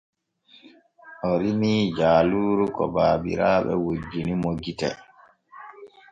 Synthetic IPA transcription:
ʔɔɾimiːd͡ʒaːluːɾukɔ̰baːbḭɾaːɓɛwod͡ʒːinimoɡitɛ̰

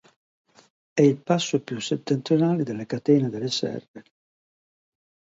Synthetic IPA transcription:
ɛilpasːopjusːet̪ːent̪ɾjonaːlɪd̪elːekat̪ɛːned̪elesɛ̰rve

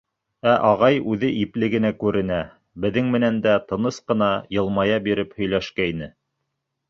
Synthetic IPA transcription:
æʔɑʁɑjʉðɘʔiplɘ̆ɡɘ̆nækʉɾɘ̆næ | bɘ̆ðɘŋmɘ̆nænd̪æt̪ɤ̆nɤsqɤ̆nɑjɤ̆lˠmɑjɑbiɾɘphɵ̆jlæʃkæinɘ

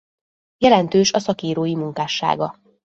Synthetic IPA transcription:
jɛlɛnt̪øːʃɒsɒkiːɾoːjimuŋkaːʃːa̰ːɡɒ

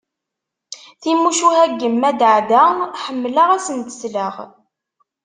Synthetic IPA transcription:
θimuʃuhæɡːəmːæd̪ʕd̪aħəmːlaʁæsənt̪ə̥sləʁ

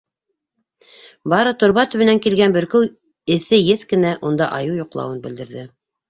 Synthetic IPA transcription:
bɑɾɤt̪ŏɾβɑt̪ɵ̆βɘ̆næŋkilɡænbɵ̆ɾkɵw | ɘ̆θɘjɘθkɘ̆næʔund̪ɑʔɑjɤwjŏqlˠɑ̰wɤnbɘ̆ld̪ɘ̆ɾðɘ

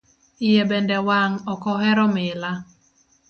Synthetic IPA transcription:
ɪjebɛndɛwaŋɔkɔɦɛɾɔmɪla

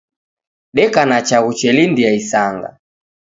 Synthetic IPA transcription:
ɗɛkanat͡ʃaɣut͡ʃɛlindiaisaŋɡa̰

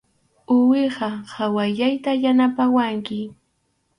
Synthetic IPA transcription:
ʊwɪɢɑhawaʎajt̪ajanapawaŋkɪ

